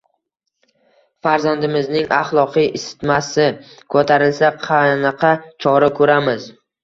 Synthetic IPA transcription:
faɾzand̪ɪmɪznɪŋaχlˠɒqʰijʔɪsɪ̥t̪masɪ | kʰɵt̪ʰaɾɪlsaqʰɑnɑqʰɑt͡ʃʰɒɾakʰɵɾamɪz

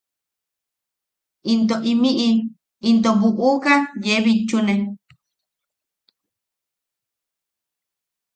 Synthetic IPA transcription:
ʔint̪oʔimiʔi | int̪̬oβuʔukajeβit͡ʃːune

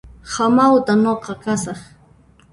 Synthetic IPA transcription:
hamawt̪anoqɑkasɑχ

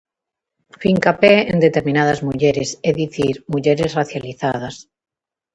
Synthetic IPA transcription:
fiŋkapeḛnd̪e̞t̪e̞ɾmĩnaðazmuʎeɾeseðiθiɾmuʎeɾe̞sraθjaliθað̞as

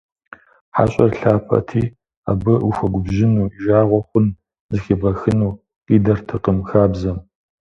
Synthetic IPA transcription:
ħa̰ɕʼɐrɬaːpʰɐ̰tʰiː | a̰ːbɨʔuxʷɐɡʷʊbʑɪnuːʒaːʁʷɔχʷʊn | zɨxibɐxɨnuː | qiːdɐrtʰɨqəmxaːbzɐm

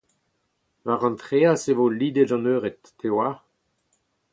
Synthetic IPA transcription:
vaʁɑ̃nt̪χeːasevoliːd̪edɑ̃nøːʁet̪ː | ewa

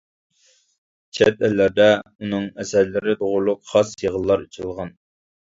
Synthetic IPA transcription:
t͡ʃʰɛt̪̚ɛlːæɾd̪ɛunɨŋɛsæɾlɪɾɪt̪ʰoʁʊɾlˠʊqχɑsjeʁəlˠːɑɾit͡ʃʰilˠʁɑn

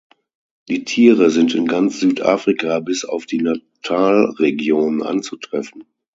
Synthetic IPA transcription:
d̥iːtʰiːʁəzɪntɪnɡant͡sz̥yːtʔa̰ːfʁ̥ikabɪsa̰ʊfd̥iːnatʰaːlʁeɡjoːnənʔa̰nt͡sutʁ̥ɛfn̩

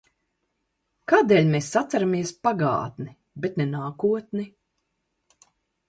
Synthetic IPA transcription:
kaːd̪eːlʲmesːat̪saɾamiɛspaɡa̰ːt̪ni | bɛt̪nɛnaːkuɔt̪ni

